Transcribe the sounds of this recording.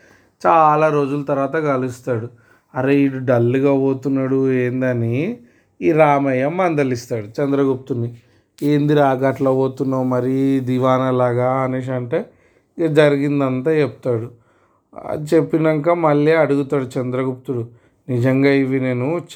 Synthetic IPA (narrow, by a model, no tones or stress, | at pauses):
t͡ʃaːlaːɾo̞ːd͡ʒulɐt̪ɐɾʋaːt̪ɐɡɐlust̪aːɽu | ɐɾeiɖuɖɐlːiɡaːʋoːt̪unːaɽue̞ːnd̪ɐni | iːɾaːmɐjɐmːɐnd̪ɐlist̪aːɽut͡ʃɐnd̪ɾɐɡup̚t̪uni | eːnd̪iɾaːɡɐʈlɐʋoːt̪unːamɐɾid̪iʋaːnɐlaːɡaːneːʂ̬ɐɳʈe̞ː | d͡ʒɐɾiɡind̪ɐnt̪aːt͡ʃept̪aːɽṵ | t͡ʃe̞pːinɐŋkaːmɐɭːiɐɽuɡut̪aːɽut͡ʃɐnd̪ɾɐɡup̚t̪uɽu | nid͡ʒɐŋɡaːiʋine̞ːnut͡ʃ